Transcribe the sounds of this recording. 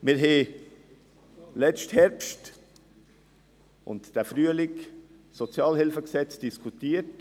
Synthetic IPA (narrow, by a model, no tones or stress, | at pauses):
mɪɾɦɛ | lɛt͡ʃthɛɾpʃt | ʊ̰ntd̥æfɾyəlɪk | sɔt͡sjɑːlhɪlfəksɛt͡sd̥iskʰutiːəɾt